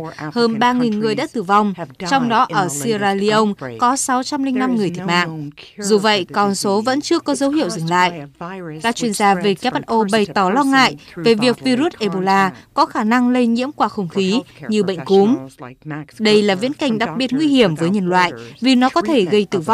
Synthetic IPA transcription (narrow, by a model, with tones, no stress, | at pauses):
həː˧nɓaː˧ŋi˨˩nŋɨ˨˩əjɗa̰ː˧˥t̪ɨ˧˩va˧wŋ͡mt͡ɕɔ˧wŋ͡mɗɔ˨˦ʔəː˧˩si˧zaː˧li˧ʔə˧wŋ͡mkɔ˨˦sa˨˦wt͡ɕa˧mlï˧ŋ̟na˧mŋɨ˨˩ət̪ʰt̚ma̰ː˧˨ŋzu˨˩və̰˧˨jkɔ˨˩nso˨˦və̰˧˥nt͡ɕɨ˧əkɔ˨˦zə˨˦whḭ˧˨əwzɨ˨˩ŋla̰ː˧˨jkaː˦˥k̚t͡ɕwi˧ənzaː˧ve˨˩kɛ˦˥p̚tʔo˧ɓə˨˩jt̪ɔ˧˩lɔ˧ŋa̰ː˧˨jve˨˩vi˨˩ək̚vi˧ɾu˦˥t̚ʔe˧˩ɓo˧˩laː˧kɔ˨˦xaː˧˩na˧ŋle˧ɲḭ˧˥əmkwaː˧˩xə˧wŋ͡mxi˨˦ɲɨ˧ɓə̰˧˨jŋ̟ku˨˦m | ɗə˧jlaː˨˩vḭ˧˥ənka˧˨˩jŋ̟ɗa˨˩k̚ɓi˨˩ət̚ŋwi˧hi˧˩əmvəː˨˦jɲə˧˩nlwa̰ː˧˨jvi˨˩nɔ˨˦kɔ˨˦t̪ʰe˧˩ɣə˧jt̪ɨ˧˩va˧wŋ͡m